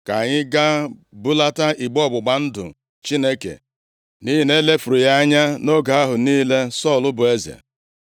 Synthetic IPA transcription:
ka˨ɲɪ˦ɡa˦bu˦la˦ta˦i˨ɡ͡bɔ˦bʊ˨ɡ͡ba˨n̩˦dʊ̰˨ | t͡ʃi˦ne˦kḛ˨ | ni˦ɦi˨ne˦le˦fu˨ɾu˨ja˦ɲa˦no˦ɡa˨a˦ɦʊ˨niː˦le˦sɔ˦˨lʊ˦bʊ˨e˦zḛ˨

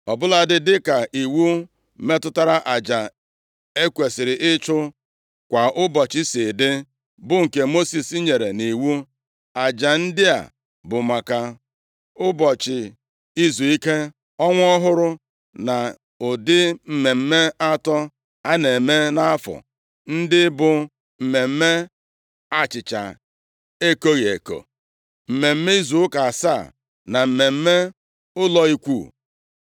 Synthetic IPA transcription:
ɔ˨bʊ˦la˨dɪ˦dɪ˦ka˨ʔi˨wu˦ | me˦tʊ˦ta˦ɾa˦ʔa˨d͡ʒa˨ | e˦kʷe˨sɪ˨ɾɪ˨ʔɪ˦t͡ʃʊ˦ | kʷa˨ʔʊ˦bɔ˨t͡ʃɪ˦sɪ˨dɪ˦ | bʊ˦ŋ̩˨ke˨mo˦si˨si˦ɲe˨ɾe˨ni˨wu˦ | a˨d͡ʒa˨n̩˦dɪ˦a̰˨ | bʊ˨ma˨ka˨ | ʊ˦bɔ˨t͡ʃɪ˨ | i˦zu˨i˦ke˦ | ɔ˦ŋʷ˦ɔ˦ɦʊ˦ɾʊ˦ | na˨ | ʊ˨dɪ˦m̩˨me˨m̩˦me˦a˦tɔ˦ | a˦ne˨me˦na˦a˦fɔ̰˨ | n̩˦dɪ˦bʊ˨ | m̩˨me˨m̩˦me˦ | a˦t͡ʃɪ˨t͡ʃa̰˨ | e˦ko˦ɣe˨ko̰˨ | m̩˨me˨m̩˦me˦i˦zu˨ʊ˦ka˨a˨sa˦˨ | na˨m̩˨me˨m̩˦me˦ | ʊ˦lɔ˦i˦kʷṵː˦˨

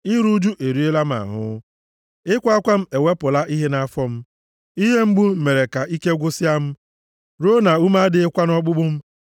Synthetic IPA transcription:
ɪ˦ɾu˦d͡ʒu˦ʔe˨ɾi˦e˦la˦m̩˦a̰˨ɦʊ̰˦ | ɪ˦kʷa˦kʷa˦m̩˦e˨wʷe˦pʊ˨la˦ʔi˦ɦe˦na˨a˦fɔ˦m̩˦ | i˦ɦe˦m̩˦ɡ͡bu˦m̩˦me˨ɾe˨ka˨ʔi˦ke˦ɡʷʊ˦sɪ˦a˦m̩˦ | ɾo˦na˨u˦ma˦dɪ˦ɪ˦kʷa˦nɔ˦ɡ͡bʊ˦ɡ͡bʊ˦m̩˦

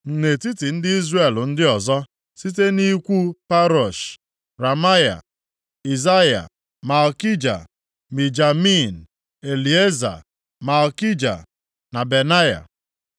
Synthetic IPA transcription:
n̩˨ne˨ti˦ti˨n̩˦dɪ˦i˦zre˦˨ln̩˦dɪ˦ɔ˨zɔ˦ | si˦te˦ni˦kʷu˦pa˦ɾɔ˨ʃ | ɾa˨ma˦ja̰˨ | i˨za˦ja̰˨ | ma˨ɔ˨ki˦d͡ʒa̰˨ | mi˨d͡ʒa˨mi˦n̩˨ | e˨li˨e˦za̰˨ | ma˨ɔ˨ki˦d͡ʒa̰˨ | na˨be˨na˦ja̰˨

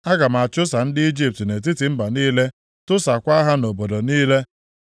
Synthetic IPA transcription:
a˦ɡa˨m˨a˨t͡ʃʊ˦sa˨n̩˦dɪ˦i˦d͡ʒi˦p̚tne˨t̬i˦tɪ˨m̩˦ba˨niː˦le˦ | tʊ˦sa˨kʷa˦ɦa˦no˨bo˨do˨niː˦le˦

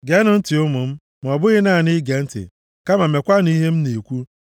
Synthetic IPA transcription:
ɡe˦nʊ˦n̩˦ti˨ʊ˦mʊ˨m̩˦ | m˨ɔ˨bʊ˦ɣɪ˦na˦˨nɪ˦ɡe˨n̩˦tɪ̰˨ | ka˦ma˨me˨kʷa˦ni˦ɦe˦m̩˦ne˨kʷu˦

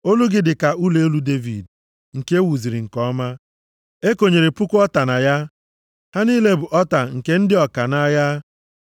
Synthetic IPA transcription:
o˦lu˦ɡɪ˦dɪ˨ka˨u˦le˦o˦lu˦de˦vḭ˨d | ŋ̩˨ke˦wu˨zi˨ɾi˨ŋ̩˨kɔ˦ma˦ | e˦ko˨ɲe˨ɾe˨pʊ˦kʊ˦ɔ˦ta˨na˨ja˦ | ha˦ni˦le˦bʊ˨ʔɔ˦ta˨ŋ̩˨ke˦n̩˦dɪ˦ɔ˨ka˨na˦ja˦

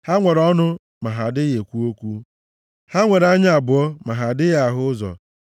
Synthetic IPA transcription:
ha˦ŋʷe˨ɾɔ˦nʊ˦ | ma˨ɦa˨dɪ˦je˨kʷu˦o˦kʷu˦ | ha˦ŋʷe˨ɾa˦ɲ˦a˨bʊ˨ɔ˦ma˨ɦa˨dɪ˦ja˦˨ɦʊ˦zɔ̰˨

